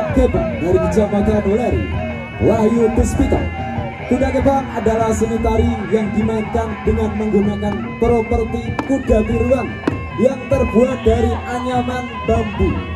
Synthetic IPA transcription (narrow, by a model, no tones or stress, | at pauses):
k̪ebaŋdaɾikəd͡ʒamat͡ʃanlaɾḭ | wahjukəspit̪a̰l | k̪unak̪əbaŋadalahsənit̪aɾijaŋdimaɲtaŋdəŋanməŋɡunakan | pəɾopərt̪ikudakuɾuan | jaŋt̪ərbuat̪̚daɾiʔaɲamanbambu